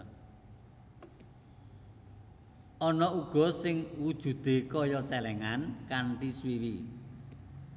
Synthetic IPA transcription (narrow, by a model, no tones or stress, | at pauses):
ʔɔnɔuɡ̥ɔ̤sɪŋwud̥ʒ̥ṳd̪̥e̤kɔjɔt͡ʃɛlɛŋankaɳʈiswiwi